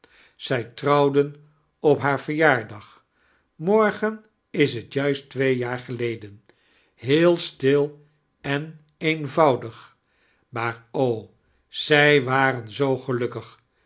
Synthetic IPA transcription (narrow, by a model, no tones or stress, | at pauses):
z̥ɛjtrɑwdən | ɔpɦaːɹvəɹjaːɹdɑχ | mɔɹχən | ɪs̬ɦətjœɥstʋejjaːɹχəlejdən | ɦɪːlˠstɪlˠ | ɛn | envɑwdəχ | maːɹow | z̥ɛjʋaːɾənzowχəlɵkəχ